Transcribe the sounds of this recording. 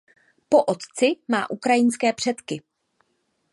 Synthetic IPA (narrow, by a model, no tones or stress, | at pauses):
po̞ʔot̪t͡sɪmaːʔukɾajɪnskɛːpr̝̥ɛt̪kɪ